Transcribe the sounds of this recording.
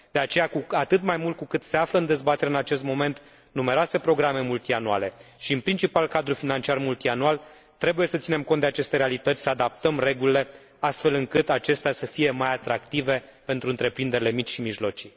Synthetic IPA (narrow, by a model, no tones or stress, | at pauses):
d̪̥e̞at͡ʃe̞jakuat̪ɨt̪majmult̪̚kukɨt̪se̞afləɨnd̪e̞zbat̪eɾeɨnat͡ʃe̞st̪mo̞me̞nt̪ | numeɾoase̞pɾo̞ɡɾame̞mult̪ianua̰le̞ʃiɨnpɾint͡ʃipalkad̪ɾufinant͡ʃiarmult̪ianual | t̪ɾe̞buje̞sət̪sine̞mkont̪d̪eat͡ʃe̞st̪e̞ɾealit̪ət̪sʲsəad̪ap̚t̪əmre̞ɡulile̞ | ast̪fe̞lɨŋkɨt̪at͡ʃe̞st̪easəfije̞majat̪ɾakt̪ive̞ | pe̞nt̪ɾuɨnt̪ɾe̞pɾind̪e̞ɾile̞mit͡ʃʲʃimiʒlo̞t͡ʃi̥